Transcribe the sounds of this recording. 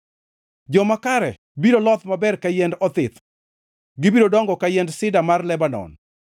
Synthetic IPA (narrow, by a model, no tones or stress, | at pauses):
d͡ʒɔmakaɾɛ | bidolɔt̪mabɛrkajɛndɔt̪ɪt̪ | ɡɪbidodɔŋɡɔkajɛndsɪdamarlɛbanɔ̰n